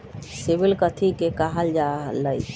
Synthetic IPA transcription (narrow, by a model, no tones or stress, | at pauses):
sibilkət̪ʰikekaɦəld͡ʒaləj